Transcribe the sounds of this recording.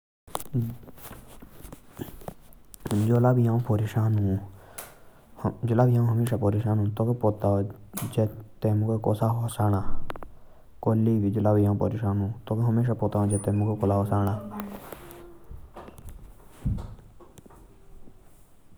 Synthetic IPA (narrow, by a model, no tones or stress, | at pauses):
d͡ʒoːlaːbijãːõpoɾiʃaːnũ | d͡ʒʊlaːbijãːɦəmeːʃaːpoːɾeʃaːnũːt̪oːkepot̪ad͡ʒet̪eːmukeko̰ːsaːɦosaːñaː | koːliːbid͡ʒʊlaːbijãːpo̰ɾiʃaːnũːt̪oːkeɦəmeːʃ̬aːpot̪aːõd͡ʒet̪emukekolaːɦosaːɽaː